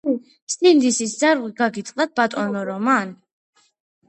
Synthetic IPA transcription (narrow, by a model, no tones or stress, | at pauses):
sind̪isisd̪zaɾʁiɡaɡit̪ʼlˠat̪̚b̥at̪ʼɔnɔɾɔman